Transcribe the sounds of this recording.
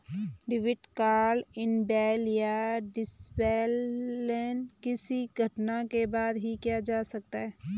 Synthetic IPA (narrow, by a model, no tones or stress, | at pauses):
ɖɪʋɪʈkaːlɪnbɛːljaɖɪsbɛːlːɛːnkɪsiɡʱɐʈnakebaːd̪ɦikijad͡ʒaːsɐk̚t̪aɦɛː